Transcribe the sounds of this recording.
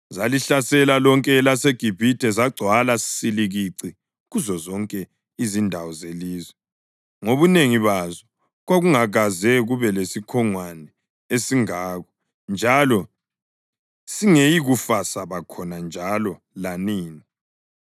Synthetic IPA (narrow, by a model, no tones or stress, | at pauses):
zaliɬasɛlalɔŋkʼɛlaseɡ̥ʱib̥ʱitʰʼɛzaɡ͡ǀʱwalasi̥siliɣiǀi | ɣuzɔzɔŋkʼɛ | izindʱawɔzeliːzwɛ | ŋoβuneŋiβazɔ | ɣwaɣuŋaɣazɛɣuβɛlesikʰɔŋwanɛ | esiŋaːɣɔ | nd͡ʒʱalɔ | siŋejiɣufasaβakʰɔnand͡ʒʱalɔ | laniːni